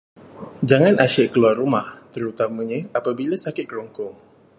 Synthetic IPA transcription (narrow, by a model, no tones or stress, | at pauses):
d͡ʒaŋanʔaʃɛʔkəluarumaht̪əɾut̪aməɲə̃apabilasakɪt̪̚kəɾɔŋkɔŋ